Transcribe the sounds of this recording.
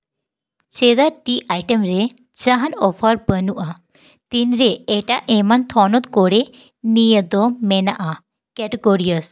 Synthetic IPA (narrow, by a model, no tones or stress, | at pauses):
t͡ʃed̪aɾʈiʔajʈemɾɛ | d͡ʒaɦanɔpʰəɾbənuʔa | t̪inɾɛːʈaʔʔɛmant̪ʰɔnɔt̪kɔɽɛ | nijəd̪ɔmɛnaʔa | kɛʈeɡoɾiəs